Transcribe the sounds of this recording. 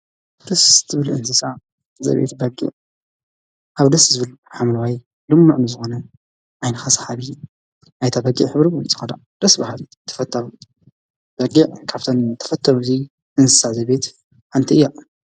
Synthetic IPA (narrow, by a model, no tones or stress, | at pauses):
d̪ɐszɨβɨlɨnsɨsa | zɐ̰βḛt̪bɐɡḭʕ | ʔaβd̪ɐszɨβɨlħamlwaj | lɨmːuʕnɨzɨxonɐ | ʕajnɐxasħaβɨ | ʔajt̪ʰabɐɡiʕħɨβɾibult͡sʼɨ̥xɐd̪a̰ | d̪̥ɐsbahali | t̪ʰːɐ̥fɐt̪ʰːawu | b̥ɐɡiʕkʰaβt̪ʰont̪ʰɐ̥fɐt̪ʰːɐwzi | ʔɨnsɨ̥sazɐβet̪ | ħant̪ʰiɨjːa